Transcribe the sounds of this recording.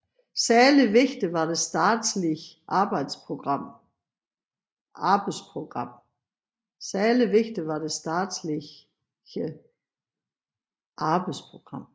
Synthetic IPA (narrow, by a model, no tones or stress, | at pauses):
sæɐliʋe̝ɡ̥d̥iʋɑ̈ɾ̥e̝sd̥ɑːd̥sliʔɑ̈ːb̥ɑ̈ɪd̥spʰʁo̝ɡ̥ʁɑ̈m̰ | ʔɑ̈ːb̥aɪdspʰʁo̝ɡ̥ʁɑ̈m̰ | sæɐliʋe̝ɡ̥d̥iʋɑ̈d̥e̝sd̥ɑːd̥sli | ə | ʔɑ̈ːb̥aɪdspʰʁo̝ɡ̥ʁɑ̈m̰